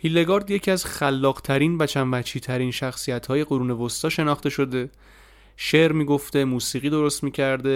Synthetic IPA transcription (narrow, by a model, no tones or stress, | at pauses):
hilːe̞ɡɒɾd̪je̞cʰiæz̥xælːɒːɢt̪ʰæɾiːnvæt͡ʃʰænbæt͡ʃʰiːt̪ʰæɾiːnʃæxsijæt̪hɒːje̞ɡoɾuːne̞vost̪ɒːʃe̞nɒxt̪e̞ʃo̞d̪e̞ | ʃe̞ɾmiːɡo̞ft̪e̞muːsiːɣiːd̪o̞ɾo̞st̪miːcʰæɾd̪e̞